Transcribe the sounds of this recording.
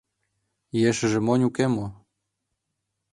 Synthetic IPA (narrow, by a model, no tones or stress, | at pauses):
jeʃɘ̆ʒĕmonʲukemo